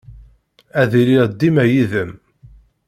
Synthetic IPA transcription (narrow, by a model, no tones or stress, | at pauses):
æðiliʁd̪ːimæjiðəm